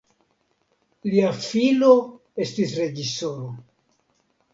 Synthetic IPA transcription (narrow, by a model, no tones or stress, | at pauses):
liafilo̞ | e̞stisɾe̞d͡ʒiso̞ɾo